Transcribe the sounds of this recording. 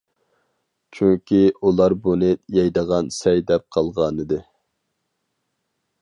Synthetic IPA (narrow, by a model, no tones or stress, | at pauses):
t͡ʃʰyŋkʲʰiulˠɑɾbunɨjɛjd̪əʁɑnsɛjd̪ɛp̚qʰɑlˠʁɑnɨd̪ɨ